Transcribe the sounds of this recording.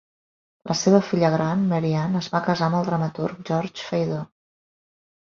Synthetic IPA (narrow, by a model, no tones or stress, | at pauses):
lʔəseβəfiʎəɣɾanməɾianəzβakəzaəməlˠd̪ɾəmət̪urk̚ʒɔɾt͡ʃfəjðo